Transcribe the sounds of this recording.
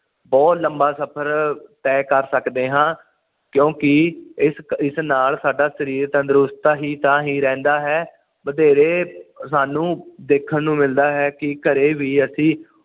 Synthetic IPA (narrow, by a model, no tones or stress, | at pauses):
bɔːt̪ləmbaːsəpʰəɾt̪ɛːkəɾsəkd̪eːɦãː | kjõːkɪɪsɪsnaːlsaːɖaːsəɾiːɾt̪ãd̪əɾʊst̪aːɦiːt̪ãːɦiːɾɛ̃ːnd̪aːɦɛː | məd̪eːɾeːsaːnũːd̪eːkʰːənːũːmɪld̪aːɦɛːkɪkəɾeːʋiːəsĩː